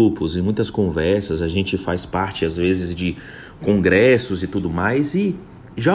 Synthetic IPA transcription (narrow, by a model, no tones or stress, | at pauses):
upʊzẽmũj̃t̪ɐskõvɛɾsɐzɐʒẽnt͡ʃɪfajspaɾt͡ʃɪazvezɪzd͡ʒɪ | kõɡɾɛsʊzɪt̪ud̪ʊmajzɪ | ʒa